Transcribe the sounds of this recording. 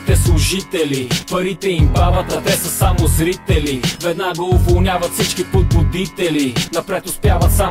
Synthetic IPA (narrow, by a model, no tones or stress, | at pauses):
t̪ɛslˠʊʒit̪ɛlipɐɾit̪ɛimbavɐt̪ɐt̪ɛsɐsamozɾit̪ɛlivɛd̪naɡəʊvolˠnʲavɐt̪fsit͡ʃkipod̪̚bʊd̪it̪ɛlinɐpɾɛt̪ʊspjavɐt̪sa